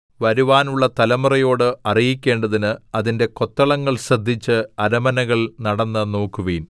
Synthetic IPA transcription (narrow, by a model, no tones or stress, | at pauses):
ʋɐɾuʋaːnuɭːɐt̪ɐlɐmurɐjo̞ːɽɨɐrijikʲːe̞ːɳɖɐðinɨɐðinde̞ko̞t̪ːɐɭɐŋːɐɭɕrɐd̪ʱːit͡ɕːɨɐɾɐmɐnɐɣɐɭnɐɽɐnːɨno̞ːkːuʋɐjin